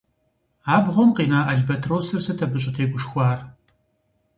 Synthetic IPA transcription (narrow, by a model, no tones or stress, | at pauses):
aːbʁʷɔmqiːnaːʔɐɮbɐtʰrowsɨrsɐtʰɐbɨɕʼɪtʰeːɡʷʊʃxʷɑːr